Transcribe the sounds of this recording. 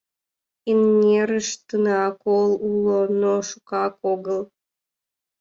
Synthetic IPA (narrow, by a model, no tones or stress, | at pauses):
inːʲeɾəʃt̪ənɑkolulonoʃukɑkoɣəl